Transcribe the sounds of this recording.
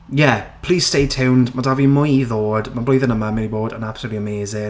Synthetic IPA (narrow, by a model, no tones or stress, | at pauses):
jɛpʰl̥iːz̥steɪtʰɛwndmadavimʊjiðɔːd̥mablojðənəməmɪliboːdə̰̃napsəluːʔliəmeːzɪŋ